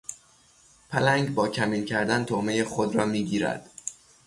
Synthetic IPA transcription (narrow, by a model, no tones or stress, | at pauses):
pʰælæŋɡbɒːcʰæmiːlcʰæɾd̪ænt̪ʰome̞jexod̪rɒːmiːɟiːɾæ̰d̪̥